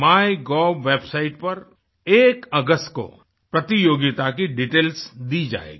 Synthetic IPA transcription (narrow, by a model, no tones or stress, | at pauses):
maːjɡɔːbʋeːbsaːɪʈ̚pɐɾ | eːkɐɡəsʈko̰ | pɾɐt̪ijoːɡɪt̪akiɖiʈeːlsd̪id͡ʒa̰ːḛːɡi